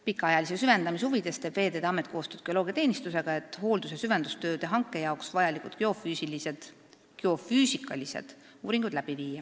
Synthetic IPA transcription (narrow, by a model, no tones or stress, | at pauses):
pikːˑɑɑjɑlisesyve̞nd̪ɑmis̬huvid̪̥e̞st̪eb̥ve̞ːd̪ed̪eɑmet̪̚ːˑkoːst̪øːd̪ɡ̥eo̞lo̞ːɡ̥ʲiɑt̪e̞ːnist̪use̞ɡ̥ɑe̞t̪ːˑho̞ːld̪usesyve̞nd̪ust̪ø̞ːd̪e̞ɦɑŋkːˑe̞jɑoksvɑjɑlikud̪keo̞fyːsilise̞d̪̥ | keo̞fyːsikˑːɑlisḛd̪̥ | uːɾiŋɡ̥ud̪̥læb̥iviːjɑ